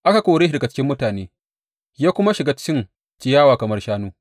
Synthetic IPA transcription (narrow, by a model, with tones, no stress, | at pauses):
ʔa˦ka˨kʷoː˨ɽe˦˨dɡa˨t͡ʃɪ̥˦kʲɪ˦mːʊ˦taː˨neː˦ | jaː˦kʷʊ˦ma˦ʃɪ˨ɡaː˦t͡ʃɪ̥˦kʲɪ˦n | t͡ʃɪ˨jaː˦waː˨kɐ˨mɐ˦rʃaː˦nuː˦